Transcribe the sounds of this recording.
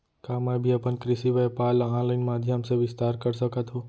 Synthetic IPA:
kaːmabʱiɐpənkɾɪsiʋəjpaːlãːləɪnmaːd̪ʱjəmsẽʋɪst̪aːɾkəɾsəkʰət̪ʰɦoː

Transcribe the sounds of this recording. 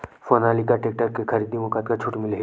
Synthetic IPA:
foːnaːlikaʈeːk̚ʈəɾkexɐɾiːd̪imʊkaːt̪kat͡ʃʰʊʈmɪle

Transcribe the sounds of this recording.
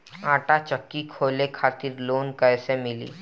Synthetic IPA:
aːʈat͡ʃəkːikʰolekʰat̪iːɾloːnkəjsemɪlḭː

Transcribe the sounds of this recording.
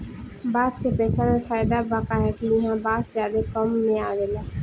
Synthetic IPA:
baːskepɛːsamẽfaːjd̪abakaɦɛkijɪɦãbaːszjaːd̪ekɔmːẽaːʋeːlaː

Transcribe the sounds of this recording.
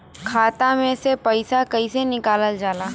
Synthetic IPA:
kʰaːt̪ãmẽsepəɪsakɐisenɪkaːləld͡ʒaːlaː

